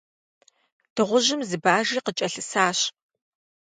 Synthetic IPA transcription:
d̥ɨʁʷʊʒɪmzɨbaːʒiːqət͡ʃʼɐɬɨsaːɕ

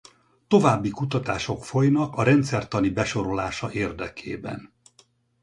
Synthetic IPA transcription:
t̪o̞vaːbːikut̪ɒt̪aːʃo̞kfo̞jnɒkɒɾɛnt̪sɛrt̪ɒnibɛʃo̞ɾo̞laːʃɒʔeːrd̪ɛkʰḛːbɛ̰n

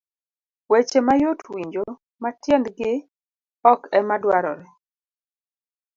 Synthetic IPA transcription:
wet͡ʃemajotwiɲd͡ʒo | matjɛndɡɪ | ɔkɛmadwaɾɔ̰ɾɛ

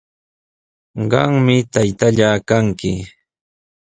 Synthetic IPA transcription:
ɢɑŋmɪt̪ajt̪aʎaːkaŋkɪ

